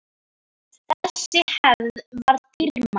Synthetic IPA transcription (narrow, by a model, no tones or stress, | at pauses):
θɛsɪhɛððvaɾt̪ɪɾma